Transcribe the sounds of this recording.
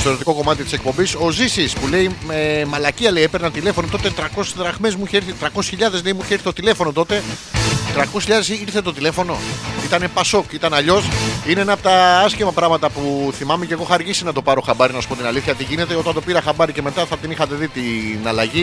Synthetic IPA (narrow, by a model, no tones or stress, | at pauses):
st̪oɾet̪ikoko̞mɐt̪̬it̪i̥sek̚po̞mbiso̞zisispule̞imemɐlɐciɐle̞ipeɾnɐnt̪ile̞fo̞not̪o̞t̪e̞t̪ɾɐko̞sezðɾɐɣme̞zmuiçeiɾθit̪ɾɐkose̥sçiʎɐðe̞zleimuiçeiɾθet̪ot̪ile̞fo̞no̞t̪o̞t̪e̞t̪ɾɐkosçiʎɐðe̞siɾθet̪ot̪ile̞fo̞no̞it̪ɐne̞pɐso̞kit̪ɐnɐʎo̞sineenɐpot̪ɐɐscimɐpɾɐɣmɐt̪ɐpuθimɐmeceɣo̞xɐɾʝisinɐt̪o̞pɐɾo̞xɐbɐɾinɐsu̥pot̪inɐliθçɐt̪iʝine̞t̪e̞o̞t̪ɐnt̪o̞piɾɐxɐbɐɾice̞me̞t̪ɐθɐt̪inixɐt̪e̞ðit̪inɐlɐʝi